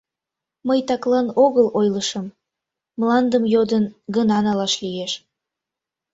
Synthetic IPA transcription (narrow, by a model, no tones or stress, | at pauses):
məjt̪ɑklɑnoɣəlojləʃəm | mlɑnd̪əmjod̪ənɡənɑnɑlɑʃlijeʃ